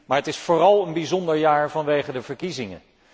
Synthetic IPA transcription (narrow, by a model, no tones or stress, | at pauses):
maːɹətɪsfoːrɑlˠənbizɔndəɹjaːɹvɑnʋejχədəvəɹkizɪŋə̰